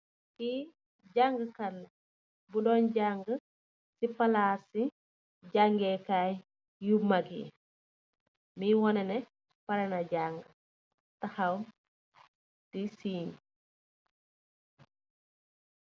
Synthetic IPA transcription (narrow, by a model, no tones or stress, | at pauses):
ki | ɟaŋɡəkɐlː | budɔːnɟaŋɡə | sipɐlaːsi | ɟaŋɡɛːkaːj | jumaɡḭ | miwɔnɛnɛ | pɐɾɛnaɟaŋɡə | tɐxɐw | tisiːɲ